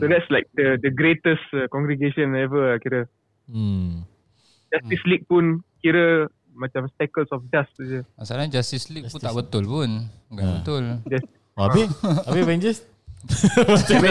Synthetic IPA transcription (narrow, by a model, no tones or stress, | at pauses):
sodɛtslaɪk̚dədəɡɾetəstakɔ̃ŋɡɾiɡeʃɔ̃naɛvəakiɾə | d͡ʒast̪islik̚punkiɾə | mat͡ʃãmstakəlsɔfdast̪ud͡ʒəasaɾaɲd͡ʒast̪islik̚punt̪aʔbət̪ʊlpun | kabət̪ʊld͡ʒas | bapevɛ̃nd͡ʒəs | a